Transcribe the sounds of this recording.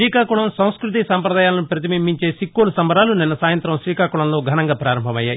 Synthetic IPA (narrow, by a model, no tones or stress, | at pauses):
ɾiːkaːkuɭɐmsɐ̃w̃skɾut̪̬isaːmpɾɐd̪aːjaːlɐnupɾɐt̪̬imimːiɲt͡ʃe̞ːsikːolusɐmbɐɾaːlunɛnːɐsaːjɐnt̪ɾɐmʃɾiːkaːkuɭɐmlo̞ːɡʱɐnɐŋɡaːpɾaːɾɐmbʱɐmɐjːaːji